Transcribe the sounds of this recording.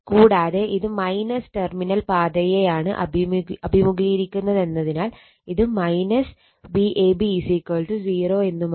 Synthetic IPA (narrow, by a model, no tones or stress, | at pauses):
kuːɽaːðeʔiðɨmɐjnɐsʈerminɐlpaːd̪ɐjejaːɳɨʔɐ̰bʱimɐbʱimuɡʱiɾikʲːunːɐðe̞nːɐðinaːl | iðɨmɐjnɐs | biʔeːbisikoːlʈud͡ʑiːro̞ːe̞nːum